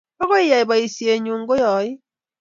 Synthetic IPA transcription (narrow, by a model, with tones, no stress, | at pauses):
ɔ˦kɔ˦i˦ja˨i˨ba˨i˨si˨˦e˨ɲu˨ŋ̩˦ɡo˦jɔ˨˦i˦